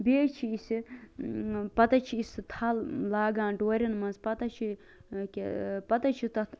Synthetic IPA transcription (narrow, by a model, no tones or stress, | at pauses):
beːt͡ʃʰiisi | pɐt̪ɐt͡ʃʰiisɨt̪ʰɐllaːɡãːnɖoːɾʲɐnmɐnzpɐt̪ɐt͡ʃʰi | kʲepɐt̪ɐt͡ʃʰit̪ɐt̪